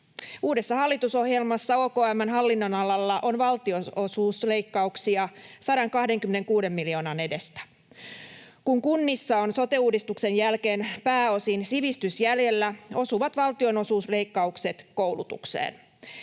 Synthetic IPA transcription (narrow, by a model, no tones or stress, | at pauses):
uːde̞sːɑhɑlːit̪uso̞hjelmɑsːɑoːkoːæmːænɦɑlːinːo̞nɑlɑlːɑʔo̞nʋɑlt̪io̞o̞suːsleikːɑuksiɑsɑɾɑŋkɑhde̞ŋkymːene̞ŋkuːde̞mːilio̞ːnɑne̞de̞st̪æ̥ | kuŋkunːisːɑonso̞t̪euːdist̪ukse̞njælke̞ːnpæːo̞sinsiʋist̪ysjælje̞lːæo̞suʋɑt̪ʋɑlt̪io̞no̞suːsle̞ikːɑukse̞t̪ko̞wlut̪ṵksḛːn